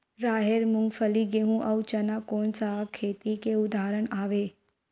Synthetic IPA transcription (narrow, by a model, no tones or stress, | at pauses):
ɾaːɦeɾmʊŋɡfʰəliɡeɦũʔɐwt͡ʃɐnakoːnsakʰeːt̪ikeʊd̪ʱaːɾəɳaːʋeː